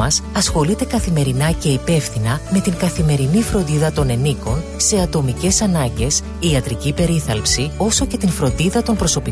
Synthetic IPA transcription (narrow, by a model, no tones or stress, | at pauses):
ɐsɐsxo̞lit̪e̞kɐθime̞ɾinɐce̞ipe̞fθinɐme̞t̪iŋkɐθime̞ɾinifɾo̞nd̪iðɐt̪o̞ne̞niko̞n | se̞ɐt̪o̞mice̞sɐnɐɲɟe̞s | iɐt̪ɾicipe̞ɾiθɐlpsio̞so̞ce̞t̪infɾo̞nd̪iðɐt̪o̞npɾo̞so̞pi